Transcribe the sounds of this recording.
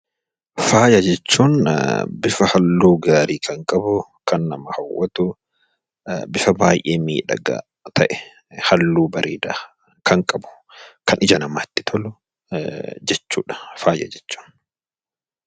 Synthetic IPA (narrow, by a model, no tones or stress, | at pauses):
faːjɐd͡ʒɛt͡ʃːuːnbɪfɐhɐlːuːɡaːɾiːkʰɐŋkʼɐbʊkʰɐnːɐmɐhɐwːɐt̪ʊ | bɪfɐbaːjʔeːmiːᶑɐ̰ɡa̰ | t̪ʰɐʔɛ | hɐlːuːbɐɾʔḭːd̪a | kʰɐŋkʼɐbʊ̥ | kʰɐnʔɪd͡ʒɐnɐma̰ːt̪ːɪ̥t̪ʰɔlʊ | d͡ʒɛt͡ʃːṵːᶑɐ̥faːjɐ̰d͡ʒɛt͡ʃːu̥ːn